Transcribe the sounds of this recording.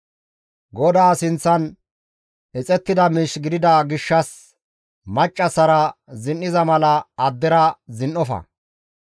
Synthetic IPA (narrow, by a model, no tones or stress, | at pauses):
ɡɔd̪aːsɪnt͡sːɐn | ɛt͡sʼɛt̪ːɪd̪ɐmiːʃɡɪd̪ɪd̪aːɡɪʃːɐs | mɐt͡ʃʼːɐsɐɾɐzɪnʔɪzɐmɐlɐɐd̪ːɛɾɐzɪnʔɔfɐ̰